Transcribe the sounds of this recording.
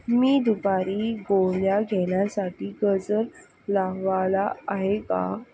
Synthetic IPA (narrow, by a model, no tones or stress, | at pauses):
miːd̪ubaɾiːɡoɳjaɡʱeɳjasaʈiːɡəd͡zəɾ | laʋalaaɦeka̰